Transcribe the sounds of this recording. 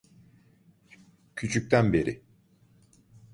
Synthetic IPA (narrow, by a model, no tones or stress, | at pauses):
cʰyt͡ʃʰyc̚t̪ʰænbe̞ɾɪ